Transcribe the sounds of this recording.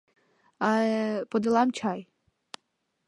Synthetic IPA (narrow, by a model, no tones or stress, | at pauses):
aɛpɔd̪ɪlˠamt͡ʃaj